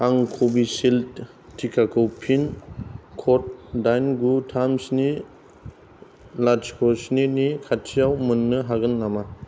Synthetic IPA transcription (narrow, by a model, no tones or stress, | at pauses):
aŋkʰobisil | tʰikʰakʰɯwpʰinkʰɔt̚dajnɡutʰamsni | lad͡ʒkʰɔsninikʰatʰijawmɯnːɯɦaɡɯnːama